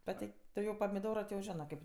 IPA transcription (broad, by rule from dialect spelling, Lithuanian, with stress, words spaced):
ˈbʲɛt tɐɪ ˈtʊ jɛʊ pɐmʲɪˈdoːroː tʲɪ jɛʊ ˈʒʲɪnɜ ˈkɐɪp